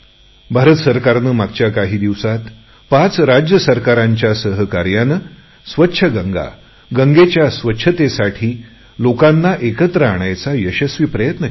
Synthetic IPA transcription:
bʱaɾət̪əsəɾkaɾnəmaɡ̚t͡ɕjakaɦiːd̪iʋsat̪ | pat͡sɾad͡ʑjəsəɾkaɾaɲt͡ɕjasəɦəkaɾjanə | sʋətːɕʰəɡəŋɡa̰ | ɡəŋɡet͡ɕjasʋətːɕʰət̪esaʈʰiː | lokanːaʔekət̪ɾəaɽ̃ajt͡sajəɕəsʋiːpɾəjət̪nə

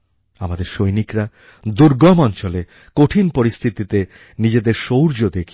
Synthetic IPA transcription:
amad̪eɾʃojnikɾa | d̪uɾɡɔmɔnt͡ɕole | koʈʰinpoɾist̪ʰit̪it̪e | nid͡ʑed̪eɾʃowɾd͡ʑod̪ekʰ

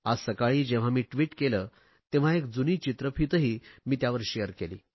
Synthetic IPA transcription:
asəkaɭiːd͡ʑẽʋ̤amiːʈʋiːʈkeləː | t̪eʋ̤aekd͡zuniːt͡ɕit̪ɾəpʰit̪əɦiːmiːt̪jaʋəɾɕejəɾkelḭː

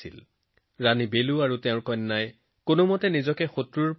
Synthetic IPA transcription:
ḭl | ɹanibeluaɹuteʊ̃ɹkɔjnːaj | konʊmɔtɛnizɔkɛxotɹuɹp

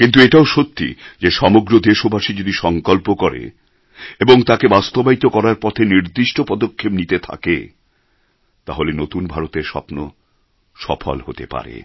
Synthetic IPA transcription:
kint̪ueʈaoʃot̪ːḭd͡ʑeʃɔmoɡɾod̪eʃobʱaʃid͡ʑod̪iʃɔŋkɔlpokɔɾḛ | eboŋt̪akebast̪obait̪okɔɾaɾpɔt̪ʰeniɾd̪iʃʈopɔd̪okʰːebnit̪et̪ʰa̰kḛ | t̪a̰ɦolenot̪unbʱaɾot̪eɾʃɔ̰pno | ʃɔ̰fʰo̰lhot̪ḛpa̰ɾḛ

